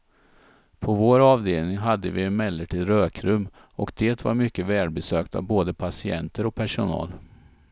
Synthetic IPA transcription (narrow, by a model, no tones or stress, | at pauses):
pʰɔvoːɾɑːvd̪eːlnɪŋɦad̪ːəvɪɛnmɛlːəʈʰiːd̪ɾøːkʰɾɵmː | ʔɔkd̪̥eːt̪va̰ɾmʏkːəvɛːɖ̪bɛsøːkt̪a̰vboːd̪əpʰasɪɛnt̪əɾɔk̚pʰæʂʊnɑ̰ːl